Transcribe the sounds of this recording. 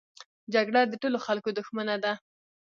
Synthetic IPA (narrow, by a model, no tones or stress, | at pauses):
d͡ʒaɡɽad̪əʈoloxalkod̪ʊxmanad̪a